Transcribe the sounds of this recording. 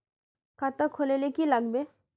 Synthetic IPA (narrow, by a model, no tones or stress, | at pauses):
kʰat̪əkʰːolelekilaɡbe